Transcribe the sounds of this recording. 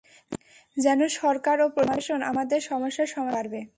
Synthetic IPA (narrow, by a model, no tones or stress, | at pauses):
d͡ʑɛnoʃɔɾkaɾopɾomaʃona̰mad̪eɾʃɔmoʃːaʃɔmaɾbe